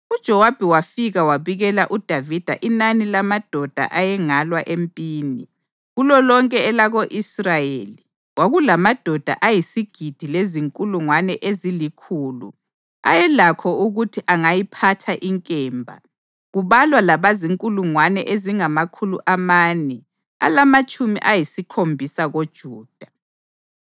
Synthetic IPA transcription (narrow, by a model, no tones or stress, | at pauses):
ud̥ʒ̥ʱɔwab̥ʱɛwafiɣawaβiɣɛlaʔud̥ʱavid̥ʱa̰ʔinanilamad̥ʱɔd̥ʱa̰ʔajɛŋalwaʔempʼiːni | ɣulɔlɔŋkʼɛɛlaɣoʔisrajeːli | waɣulamad̥ʱɔd̥ʱa̰ʔajisiɡ̥ʱid̥ʱileziŋkʼuluŋwanɛʔezilikʰuːlṵ | a̰jɛlakʰɔuɣutʰiʔaŋajipʰatʰaʔiŋkʼɛːmbʱa̰ | ɣuβalwalaβaziŋkʼuluŋwanɛ̰ʔeziŋamakʰulṵʔamaːnɛ | a̰lamat͡ʃʼumḭʔajisikʰombʱisaɣod̥ʒ̥ʱuːd̥ʱa